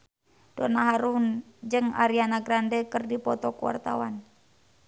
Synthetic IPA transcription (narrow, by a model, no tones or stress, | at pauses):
d̥onaɦaɾund͡ʒɨŋa̰ɾianaɡɾandɛkərdipɔt̪ɔkuwa̰rt̪awan